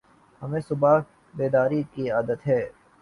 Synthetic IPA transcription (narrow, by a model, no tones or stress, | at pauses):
hɐmẽsʊba | beːd̪aːɾikiaːd̪ət̪ɦɛː